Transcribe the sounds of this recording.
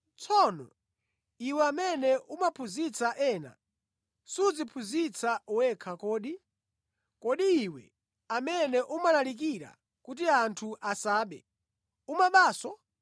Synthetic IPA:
t͡sʰɔnɔ̰ | iwɛamɛnɛʔumapʰuzit͡saʔɛːna̰ | sud͡zipʰuzit͡sauwɛkʰakɔːɗi | kɔɗiːwɛ̰ | amɛnɛʔumalalik̬iɾa̰ | kut̬iantʰuʔasaːɓɛ̰ | umaɓaːsɔ

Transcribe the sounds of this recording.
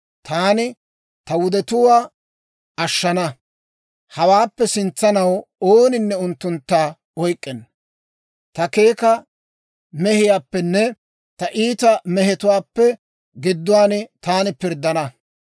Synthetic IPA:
t̪aːnɪ | t̪ɐwʊd̪ɛt̪ʊwaː | ɐʃːɐnɐ | hɐwaːpːɛsɪnt͡sːɐnɐwoːnɪnːɛʊnt̪ːʊnt̪ːaː | ɔjkʼːɛnː | t̪ɐke̞ːkɐ | mɛhɪjaːpːɛnːɛ | t̪ɐʔiːt̪ɐmɛɦɛt̪ʊwaːpːɛ | ɡɪd̪ːʊwaːnt̪aːnɪpɪɾd̪ːɐnɐ

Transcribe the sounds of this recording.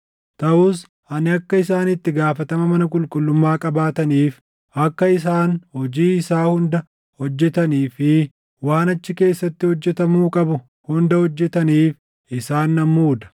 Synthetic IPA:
t̪ɐʔuːs | ʔɐnɪɐkːɐɪsaːnɪt̪ːɪɡaːfɐt̪ɐmɐmɐnɐkʼʊlkʼʊlːʊmːaːkʼɐbaːt̪ɐniːf | ʔɐkːɐɪsaːnhɔd͡ʒiːɪsaːhʊnd̪ɐ | hɔd͡ʒːɛt̪ɐniːfɪ | waːnɐt͡ʃːɪke̞ːsːɐt̪ːɪhɔd͡ʒːɛt̪ɐmuːkʼɐbʊ | hʊnd̪ɐhɔd͡ʒːɛt̪ɐniːf | ʔɪsaːnːɐmːuːd̪ɐ̥

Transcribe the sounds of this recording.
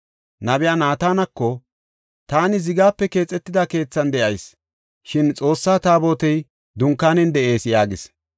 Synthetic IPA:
nɐbɪjaːnaːt̪aːnɐkːɔ | t̪aːnɪzɪɡaːpːɛke̞ːt͡sʼːɛt̪ːɪd̪ake̞ːt͡sːɐnd̪ɛʔɐjs | ʃɪnt͡sʼo̞ːsːaːt̪aːbo̞ːt̪ɛj | d̪ʊŋkːaːnɛnd̪ɛʔe̞ːsjaːɡɪs

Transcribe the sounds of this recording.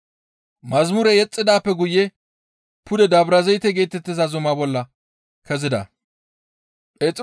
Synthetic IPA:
mɐzmʊɾɛjɛt͡sʼːɪd̪aːpːɛɡʊjːɛ | pʰʊd̪ɛd̪ɐbɾɐzɛjt̪ːɛɡe̞ːt̪ːɛt̪ːɪzɐzʊmɐbɔlːɐ | kɛzɪd̪ɐ̰ | et͡sʼ

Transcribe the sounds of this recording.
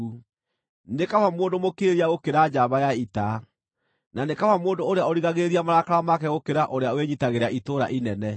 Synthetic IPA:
u | nekawamoːndomokeɾiaɣokeɾad͡ʒaβajaita | nanekawamoːndooɾeaɔɾiɣaɣeɾiamaɾakaɾamakɛɣokeɾaʔoɾeaweɲitaɣeɾaʔitoɾa̰ʔinɛnɛ

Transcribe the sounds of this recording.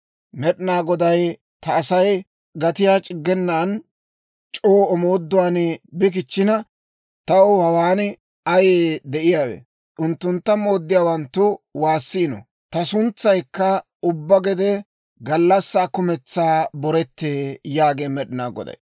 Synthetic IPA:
mɛɗɪnaːɡɔd̪ɐj | t̪ɐːsɐj | ɡɐt̪ɪjaːt͡ʃʼɪɡːɛnːaːn | t͡ʃʼoːɔmoːd̪ːʊwaːnbɪk̬ɪt͡ʃːɪnɐ | t̪ɐwhɐwaːn | ɐjeːd̪ɛʔɪjaːwḛː | ʔʊnt̪ːʊnt̪ːɐmo̞ːd̪ːɪjaːwɐnt̪ːʊwaːsːɪːnɔ̰ | t̪ɐsʊnt͡sːɐjkːɐ | ʊbːɐɡɛd̪ɛ | ɡɐlːɐsːaːkʊmɛt͡sːaːbɔɾɛt̪ːeːjaːɡeːmɛɗɪnaːɡɔ̰d̪ɐ̰j

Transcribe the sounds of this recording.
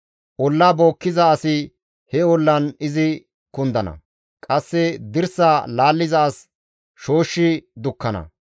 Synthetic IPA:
ʔɔlːaːbo̞ːkːɪzɐːsɪ | hɛɔlːɐnɪzɪ | kʊnd̪ɐnɐ̰ | kʼɐsːɛd̪ɪɾsaːlaːlːɪzɐːs | ʃo̞ːʃːɪd̪ʊkːɐnɐ̰

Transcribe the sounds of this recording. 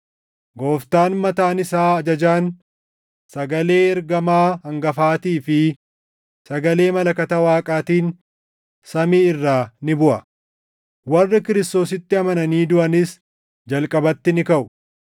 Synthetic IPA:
ɡo̞ːft̪aːnmɐt̪aːnɪsaːɐd͡ʒɐd͡ʒaːn | sɐɡɐle̞ːɛɾɡɐmaːhɐŋɡɐfaːt̪iːfɪ | sɐɡɐle̞ːmɐlɐkɐt̪ɐwaːkʼaːt̪iːn | sɐmiːɪrːaːnɪbʊʔɐ | wɐrːɪkɪɾɪst̪o̞ːsɪt̪ːɪɐmɐnɐniːd̪ʊʔɐnɪs | d͡ʒɐlkʼɐbɐt̪ːɪnɪkɐʔʊ̥

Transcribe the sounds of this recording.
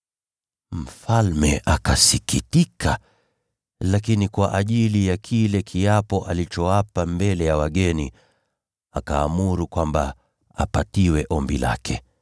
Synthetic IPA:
m̩falmɛʔakasikitika | lakinikwaʔaʄilijakʰilɛkʰiapɔʔalit͡ʃɔwapambɛlɛjawaɠɛni | akaːmuɾukwamba | a̰patiwɛʔɔmbila̰kʰɛ

